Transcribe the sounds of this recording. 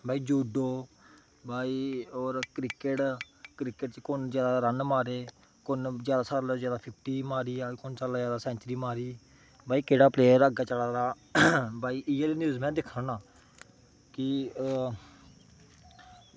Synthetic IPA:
bʱaːiːd͡ʒuːɖoː | baːiːɔːɾkɾɪkəʈ | kɾɪkəʈt͡ʃkʊnd͡ʒjaːd̪aːɾənmaːɾeː | kʊnzjaːd̪aːsaːlzjaːd̪aːpʰɪpʰʈiːmaːɾiːaːkʊnsaːlazjaːd̪aːsɛ̃ːnt͡ʃɾiːmaːɾiː | baːiːkeːɽaːpleːəɾəɡaːt͡ʃəlaːɾaː | baːiːʔialenjuːzmɛ̃ːd̪ɪkʰɾãːnãː | kɪ

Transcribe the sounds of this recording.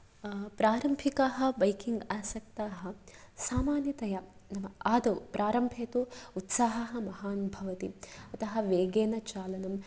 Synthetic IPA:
pɾaːɾɐmbʱikaːɦɐ̆bɐjkiŋɡaːsɐk̚t̪aːɦɐ̆saːmaːnjɐt̪ɐjɐnɐmɐaːd̪ɐpɾʔaːɾɐmbʱeːt̪uut̪saːɦɐɦɐ̆mɐɦaːnbʱɐʋɐt̪ḭɐt̪ɐɦɐ̆ʋeːɡeːnɐt͡ʃaːlɐnɐm

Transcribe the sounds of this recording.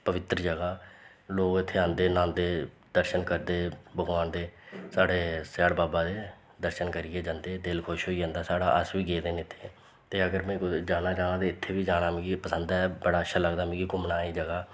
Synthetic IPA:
pəʋɪt̪ɾəd͡ʒəɡaː | loːɡɪt̪ʰːeːãːnd̪eːnãːnd̪eː | d̪əɾʃənkəɾd̪eːbəɡʋaːnd̪eːsaːɽeːsɛːɽbaːbaːd̪eː | d̪əɾʃənkəɾiːeːd͡ʒãːnd̪eːd̪ɪlkʰʊʃɦoːiːd͡ʒãːnd̪aːsaːɽa̰ːʔəsʋiːɡeːd̪eːneɪt̪ʰːeː | t̪eːəɡəɾmɛ̃ːkd͡ʒaːnaːt͡ʃaːñãːt̪eːɪt̪ʰːeːʋiːd͡ʒaːɽ̃aːmĩːɡipəsənd̪aɛbəɽaːʃaːləɡd̪aːm̃ːɡiːɡʊmnaːiːd͡ʒəɡaː

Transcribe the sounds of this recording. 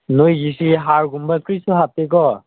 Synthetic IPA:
nojɡisiɦaɹɡumbakɾisɔɦap̚t̪ekɔ

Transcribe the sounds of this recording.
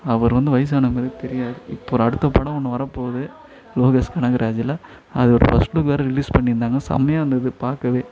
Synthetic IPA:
ɐʋɐɾʋɐnd̪ɯʋɐjs̬aːnɐmeːðɯt̪ɛɾɪjaːðɯɪpːoːɔɾɐɽɯt̪ːɐpɐɽɐ̃ɔnːɐʋɐɾɐpːoːðɯ | loːɣɐskɐɳɐɡɪɾʔaːd͡ʒɪla | ɐðɯɔɾɯfɐsʈlɯkːɯʋeːɾɐɾɪliːspɐɳːɪɾɯnd̪aːŋɡɐsɐ̰mɐjaːʋɐnd̪ɐðɯpaːɾkɐʋeː

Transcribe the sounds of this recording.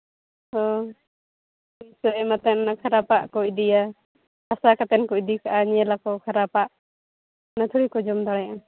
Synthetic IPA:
hɔ | isɔʔɛmat̪anakʰaɾapaʔkɔʔd̪ija | asakat̪ɛnkɔʔd̪ikaʔaɲɛlakɔkʰaɾapaʔ | nat̪ʰuɽikɔd͡ʒɔmd̪aɽaja

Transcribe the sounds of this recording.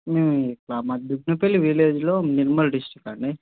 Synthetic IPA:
meːmuklaːmad̪uɡnɐpelːiʋileːd͡ʒloːniɾmɐlɖisʈɾikaɳɖi

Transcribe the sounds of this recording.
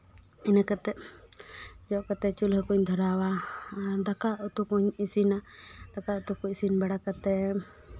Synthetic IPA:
inakat̪ɛʔ | d͡ʒɔʔkat̪ɛt͡ʃulɦəkuɲd̪ʱɔɾawa | d̪akaut̪ukuɲisinad̪̥akaut̪ukuisinbaɽakat̪ɛ

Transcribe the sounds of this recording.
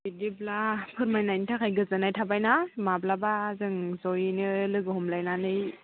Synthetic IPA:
bidiblapʰɯɾmajnajnitʰakʰajɡɯzɯnajtʰabajnamablabazɯŋzɔjnɯlɯɡɯhɔmlajnanɯj

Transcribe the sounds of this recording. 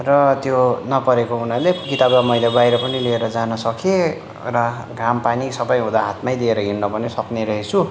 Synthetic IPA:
rʌt̪jonʌpʌɾekounalekit̪ablamʌjlebajɾʌpʌnilieɾʌd͡zanʌsʌkʰe | rʌ | ɡampanisʌbʌjɦũd̪aɦat̪majd̪ieɾʌɡinnʌpʌnesʌkneɾʌɦet͡sʰu

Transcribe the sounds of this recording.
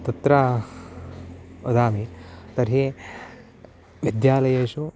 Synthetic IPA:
t̪ɐt̪ɾa | od̪aːmit̪ɐɾɦe | ʋid̪jaːlɐjɐːʃu

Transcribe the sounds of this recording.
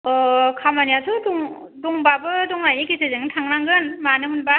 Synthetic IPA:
ɔkʰamanijatʰɯduŋ | duŋbabɯduŋɾajnikisʰɯzɯŋɯntʰaŋɾaŋɡɯnmanɯmɯnba

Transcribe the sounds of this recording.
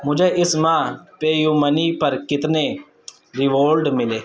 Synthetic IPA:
mʊd͡ʒeːʔɪsmãːpeːjuːməniːpəɾkɪt̪neː | ɾɪʋoːlɖmɪleː

